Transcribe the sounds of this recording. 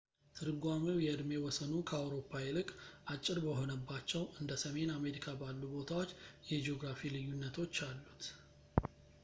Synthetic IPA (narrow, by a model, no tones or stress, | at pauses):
t̪ʰɨɾɨɡʷaməwjɛɨd̪me̞wɔsənukʰəawɾo̞pʰːaɪlɨkʼʔat͡ʃʼːɪɾbəɦo̞nəbːat͡ʃːɛwɨnd̪əsəme̞name̞ɾikʰabalːubo̞t̪ʰawo̞t͡ʃːjɛd͡ʒio̞ɡɾafilɨjːunːət̪ʰo̞t͡ʃːalːut̪